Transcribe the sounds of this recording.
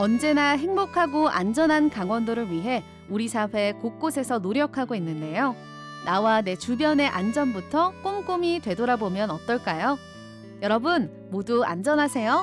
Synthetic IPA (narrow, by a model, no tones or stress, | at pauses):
ʌnd͡ʑe̞naɦe̞ŋbokʰaɡoʔa̰nd͡ʑʌnɦankaŋwʌndoɾɯɭɥiɦe̞ | uɾisʰaɸwe̞kok͈osʰe̞sʰʌnoɾjʌkʰaɡoinːɯnde̞jo | nawane̞t͡ɕubjʌne̞ʔand͡ʑʌnbutʰʌk͈omk͈omitwe̞doɾabomjʌnʌt͈ʌɭk͈ajo | jʌɾʌbɯn | modua̰nd͡ʑʌnɦasʰe̞jo